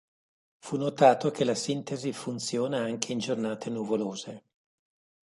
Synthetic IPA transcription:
funːot̪aːt̪okʰelasint̪ezifunt̪sjoːnaaŋkeind͡ʒornaːt̪ʰenuvoloːze

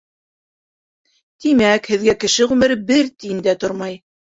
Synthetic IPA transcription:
t̪imækhɘ̆ðɡækɘ̆ʃɘʁʉmɘɾbɘɾt̪ĭnd̪æt̪oɾmɑj

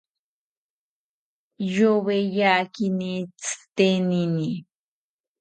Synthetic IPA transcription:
joβejakinit͡sɨ̥t̪enini

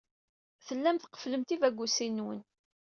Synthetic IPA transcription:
θəlːæmθqə̥fləmt̪ivæɡʷːusinːwə̰n

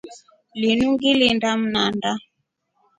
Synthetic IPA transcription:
linuŋɡilindam̩nanda

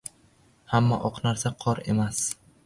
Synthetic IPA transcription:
hamːaʔɒqnaɾsaqʰɒɾe̞̰mas

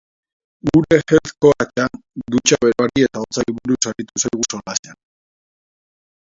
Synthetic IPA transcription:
uɾexet̪ko̞at͡ʃan | d̪ut͡ʃaβe̞ɾoaɾie̞t̪aot͡saɾiβuɾusaɾit̪usajɣusolasean

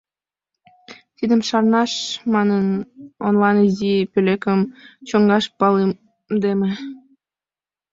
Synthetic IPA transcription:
t̪id̪əmʃɑrnɑʃmɑnənonlɑnizipølekəmt͡ɕoŋɡɑʃpɑle | md̪emĕ

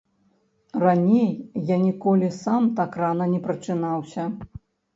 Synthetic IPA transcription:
ranʲejːanʲikɔlʲisamt̪akranɐnʲɛpɾɐt͡ʂɨnawsʲɐ

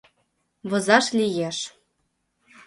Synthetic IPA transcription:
βɤ̆zɑʃlʲijeʃ

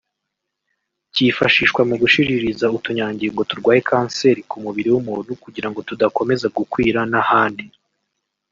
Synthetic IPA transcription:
cifaʃiːʃkwamuɡuʃiɾiɾizautuɲaːɲɟiŋɡo̞tuɾɡwaːjekʰaːnse̞ɾikʰumuβiɾiwumunukuɟiɾaŋɡo̞tudako̞me̞zaɡukwiːɾanahaːndi

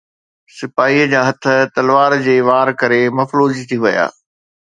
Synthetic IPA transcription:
sɪfaːiəd͡ʑaːɦɐt̪ʰə̆t̪ɐlʋaːɾd͡ʑeːʋaːɾkɐɾemɐfloːd͡ʑit̪ʰiʋɐja̰ː

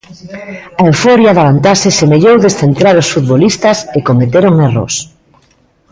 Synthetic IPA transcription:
ɐewfoɾjaðaβant̪asɪsemeʎowðesθent̪ɾaɾʊsfut̪βolist̪ɐsekomet̪eɾoŋero̰s

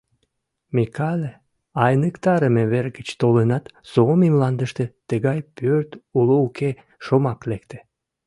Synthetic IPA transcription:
mikɑlʲe | ɑjnəkt̪ɑɾəmeβerɡət͡ɕt̪olənɑt̪soomimlɑnd̪əʃt̪ĕt̪əɣɑjpʰørt̪ulouke | ʃomɑklek̚t̪e̥

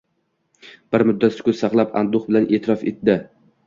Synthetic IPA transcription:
b̥ɪɾmʊd̪ːat̪sʊ̥kʲʊsɑqlˠapa̰nd̪ʊχbɪlanʔeːt̪ʰɪɾɒfe̞̰t̪̚d̪ɪ

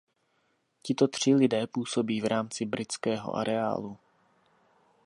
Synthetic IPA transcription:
cɪt̪ot̪r̝̥ɪlɪdɛːpuːsobiːvɾaːmt͡sɪbɾɪt͡skɛːɦo̰ʔa̰ɾɛa̰ːlu

